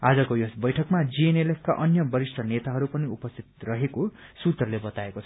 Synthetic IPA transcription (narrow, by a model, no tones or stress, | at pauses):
ad͡zʌkojosbʌjʈʰʌkmad͡zienelepʰkaʔʌnjʌbʌɾisʈʰʌnet̪aɦʌɾupʌniupʌst̪ʰi̥t̪rʌɦekosut̪rʌlebʌt̪aekot͡sʰʌ